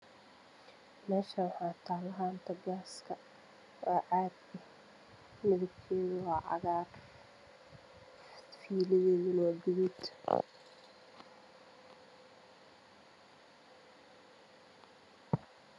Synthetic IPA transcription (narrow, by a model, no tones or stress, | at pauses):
mɛːʃɐwɑħɑːt̪ʰaːlɐɦaːnt̪ʰɐɡaːskʰɐ | ʔɔːʔaːd̪ɛh | mɪðɐɡkʰɛːðʊwɑːʕɑ̰ɣaːr | fiːlɪjɛjɪnɔːdɪwɪd̪